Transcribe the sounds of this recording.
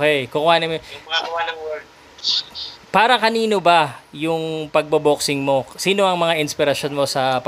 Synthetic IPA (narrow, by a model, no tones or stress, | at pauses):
okɛjkʊkʊhaːnɐmawanɐw | paːɾɐkɐniːno̞bɐjʊŋpɐɡ̚bɐboksɪŋmo̞siːno̞ʔɐŋmɐŋaʔɪnspɪɾɐʃo̞nmo̞sɐp